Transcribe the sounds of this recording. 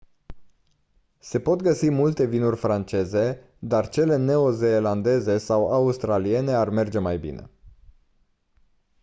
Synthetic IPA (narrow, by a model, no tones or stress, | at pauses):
se̞po̞t̪ɡəsimult̪e̞vinurʲfɾant͡ʃe̞ze̞ | d̪art͡ʃe̞le̞ne̞o̞zeːland̪e̞ze̞sawaust̪ɾalie̞ne̞arme̞rd͡ʒe̞majbḭne̞̰